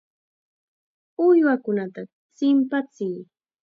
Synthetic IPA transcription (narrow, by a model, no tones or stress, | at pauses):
ʊjwakʊnat̪a | t͡sɪmpat͡sɪj